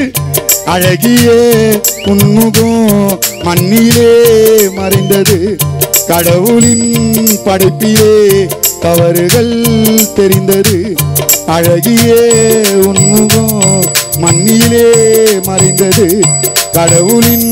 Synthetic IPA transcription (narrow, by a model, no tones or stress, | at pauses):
ɐɻɐɣɪjɐʊnːɯɣõmɐnːɪjɪleːmɐɾɐɪnd̪ɐðɯkɐɽɐʋɯlɪnpɐɽɐɪpːɪleːt̪ɐʋɐɾɯɣɐɭt̪ɛɾɪnd̪ɐðɯ | ɐɻɐɣɪjɐʊnːɯɣõmɐnːɪjɪleːmɐɾɐɪnd̪ɐðɯkɐɽɐʋɯlɪn